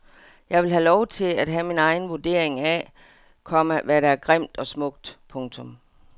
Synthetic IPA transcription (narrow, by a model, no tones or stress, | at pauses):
jɑ̈ɪʋe̝lɦælɒʊt͡sʰe̝læd̥ɦæminɑ̈ɪn̩ʋuɐd̥e̝ɐ̰e̝ŋæ | kʰɒ̽məʋæɾææɐɡ̥ʁem̰d̥ɒ̽smɔ̽ɡ̥̚d̥pʰɔ̽ŋt͡sʰɔ̽m